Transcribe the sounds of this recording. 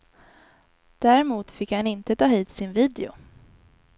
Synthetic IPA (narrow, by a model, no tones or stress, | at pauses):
d̪̥æɾɛmuːt̪fɪkhanɪnt̪ət̪ʰɑːhiːt̪sɪnviːd̪ɛʊ̰